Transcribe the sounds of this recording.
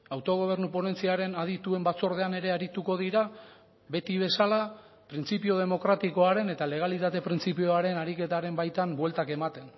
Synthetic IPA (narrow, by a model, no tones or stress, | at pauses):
awt̪o̞ɣ̞o̞β̞e̞ɾnupo̞ne̞nt͡siaɾe̞naðit̪ue̞mbat͡so̞ɾð̞e̞ane̞ɾe̞aɾit̪uko̞ðiɾa | βe̞t̪iβ̞e̞sala | pɾint͡sipioð̞e̞mo̞kɾat̪iko̞aɾe̞ne̞t̪ale̞ɣ̞alit̪at̪e̞pɾint͡sipioaɾe̞naɾike̞t̪aɾe̞mbajt̪ambwe̞lt̪ake̞mat̪e̞n